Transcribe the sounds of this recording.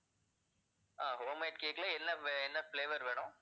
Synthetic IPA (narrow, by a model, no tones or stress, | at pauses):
aːɦoːmɐɪʈ̚keːkːɐlɐɛnːɐɛnːɐfɭeːʋɐɾʋeːɳʊ̃